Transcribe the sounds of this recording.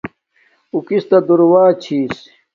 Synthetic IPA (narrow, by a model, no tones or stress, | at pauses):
ukist̪ɐd̪uɾwaːt͡ɕʰiːs